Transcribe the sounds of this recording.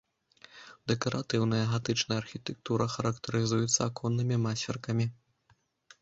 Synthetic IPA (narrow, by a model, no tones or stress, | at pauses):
d̪̥ɛkɐɾat̪ɨwnɐjɐɣat̪ɨt͡ʂnɐjɐarxʲit̪ɛk̚t̪uɾɐxɐɾɐkt̪ɐɾɨzujɛt̪sːɐːkʰɔnːɨmʲimasʲɛrkɐmʲi